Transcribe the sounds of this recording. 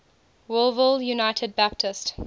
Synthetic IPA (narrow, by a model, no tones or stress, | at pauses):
wʊlˠvɪlˠjunaɪtʰəd̚bæp̚tʰɪst